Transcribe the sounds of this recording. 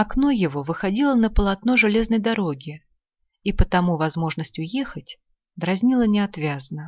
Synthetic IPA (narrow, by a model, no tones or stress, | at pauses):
ɐknojɪvo̞vɨxɐdʲilˠənəpəlˠɐt̪no̞ʐɨlʲe̞znəjd̪ɐɾo̞ɡʲɪ | ipət̪ɐmuvɐzmo̞ʐnəsʲtʲʊjexətʲ | d̪ɾɐzʲnʲilˠənʲɪɐt̪vʲazənə